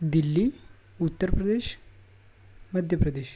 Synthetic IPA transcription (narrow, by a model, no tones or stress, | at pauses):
d̪ilːi | ut̪ːəɾpɾəd̪eʃ | məd̪ʱjəpɾəd̪eɕ